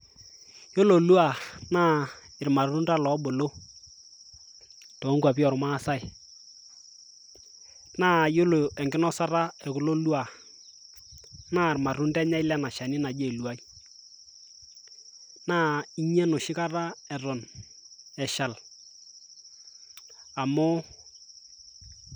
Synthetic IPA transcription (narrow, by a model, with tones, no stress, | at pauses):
jo˦lo˨lu˦a˨naː˦ | ɪ˨ɾma˨ru˦nda˦lɔ˨˦ɓo˨lo˦ | to˨˦ŋka˨pi˦ɔ˨ɾʊ˨ma˦˨sa˦ɪ˨ | naː˦jo˦lo˨ɛ˨ŋɡɪ˦nɔ˦sa˦ɾa˦ɛ˨kʊ˦lo˦lu˦a˨ | naː˦˨ɾma˨ru˦ndɛ˦ɲa˦ɪ˦lɛ˦na˨ʃa˨ni˦na˨d͡ʒe˦˨lu˨a˦i˦ | naː˦i˦ɲɛ˦nʊ˨ʃɪ˦ka˦ra˦ɛ˨rʊ˨n | ɛ˨ʃa˨l | a˨mʊ˦